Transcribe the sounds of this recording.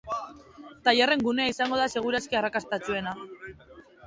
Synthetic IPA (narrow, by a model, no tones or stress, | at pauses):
t̪aʎare̞ŋɡune̞aisaŋɡo̞ð̞ase̞ɣ̞uɾaskearakast̪at͡sue̞na